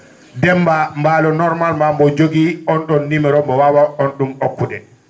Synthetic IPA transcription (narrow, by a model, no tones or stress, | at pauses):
dɛmbambaːlɔnɔɾmalmambɔd͡ʒoɡiɔnɗɔnːimɛɾɔmbɔwawaonɗumokːudɛ